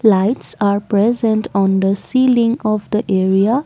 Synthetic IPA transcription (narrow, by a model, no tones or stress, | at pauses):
laɪʈsaːɾpɾɛzə̃ɳʈʰɔ̃nd̪əsiːlĩŋɔʋd̪əʔeːɾia